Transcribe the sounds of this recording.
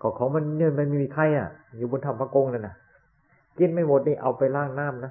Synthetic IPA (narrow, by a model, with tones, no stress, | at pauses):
kʰɔː˧˩kʰɔː˨˦ma˧n˧nɯ˧˩ə˨npa˧miː˧˨miː˧˩kʰa˧˩jʔa̰˧˩juː˨˧˩bo˧nt̪ʰa˧˩mpʰaː˧˩ko˧ŋla˧˩na˧˩ | ki˧˥˩nma˧˥˩jwo˨˦t̪̚niː˧˩˨ʔa˧wpa˧jlaː˥˩ŋnaː˥˩˨mna˦˥˩